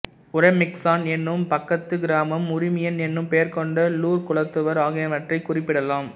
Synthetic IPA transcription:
ʊɾɐɪmɪksaːnɛnːɯmpɐkːɐt̪ːɯɡɪɾaːmɐmʊɾɪmɪjɐnɛnːɯmpejɐɾkɔɳɖɐluːɾkʊɭɐt̪ːɯʋɐɾaːɣɐjɐʋɐʈrɐɪkːʊrɪpːɪɽɐlaːm

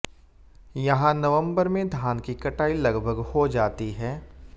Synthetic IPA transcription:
jɐɦãnɐʋə̃mbəɾmẽd̪ʱaːnkikɐʈaːilɐɡbʱəɡhod͡ʒaːt̪iɦɛː

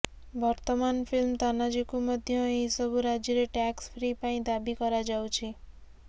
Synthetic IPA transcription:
bɔɾt̪əmanfilmt̪anad͡ʒikumɔd̪ʱjəẽisəbʱuɾad͡ʒiɾeʈɛksfɾipaĩd̪abikɔɾad͡ʒawt͡ʃʰi

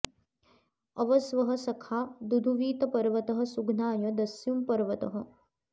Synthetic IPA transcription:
ɐʋɐsʋɐɦɐsɐkʰaːd̪ud̪ʱuʋiːt̪ɐpɐɾʋɐt̪ɐɦɐ̆suɡnaːjɐd̪ɐsjumpɐɾʋɐt̪ɐɦɐ̆

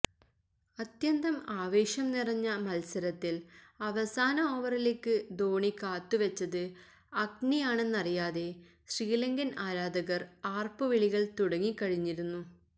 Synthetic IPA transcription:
ɐt̪jɐnd̪ɐmaːʋe̞ːɕjɐmnirɐɲːɐmɐlsɐɾɐt̪ːilɐʋɐsaːnɐoːʋɐrile̞ːkːɨd̪o̞ːɳikaːt̪ːɨʋɐt͡ɕːɐðɨ | ɐɡnijaːɳe̞nːɐrijaːðe̞ | ɕriːlɐŋɡɐnaːɾaːd̪ɐɣɐraːrpɨʋiɭiɣɐɭt̪uɽɐŋːikːɐɻiɲːiɾunːu

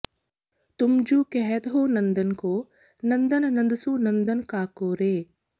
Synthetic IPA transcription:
t̪ʊmd͡ʒuːkɛɦɛt̪ɦoːnɐ̃nd̪ənkoː | nɐ̃nd̪ənnɐ̃nd̪suːnɐ̃nd̪ənkaːkoːɾeː

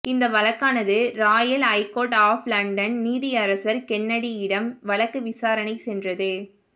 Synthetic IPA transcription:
ɪnd̪ɐʋɐlɐkːaːnɐðɯɾaːjɐlɐɪkoːʈaːflɐɳɖɐnniːðɪjɐɾɐsɐɾkɛnːɐɽiɪɽɐmʋɐlɐkːɯʋɪsaːɾɐnɐɪsɛndrɐðɯ

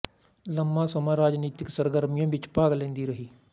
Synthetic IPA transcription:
ləmːãːsəmãːɾaːd͡ʒniːt̪ɪksəɾɡəɾmɪjãːʋɪt͡ʃpaːɡlẽːnd̪iːɾəɦiː

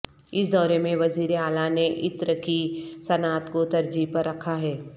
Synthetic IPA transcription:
ɪs̬d̪ɔːɾemẽʋɐziːɾeaːlaneʔɪt̪ɾəkisɐnaːt̪kot̪ɐɾd͡ʒiːpɐɾːɐkʰaɦɛː

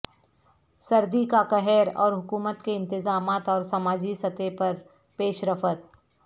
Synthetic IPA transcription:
sɐɾd̪ikakɐɦɛːɾɔ̰ːɾɦʊkuːmət̪keɪ̃nt̪ɪzaːmaːt̪ɔːɾsɐmaːd͡ʒisɐt̪epɐɾ | peːʃɾəfət̪̚

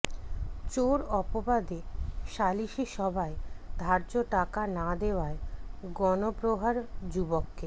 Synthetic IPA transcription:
t͡ɕoɾɔpobad̪eʃaliʃiʃɔbʱaed̪ʱaɾd͡ʑoʈakanad̪ewaeɡɔnopɾoɦaɾd͡ʑubokːe

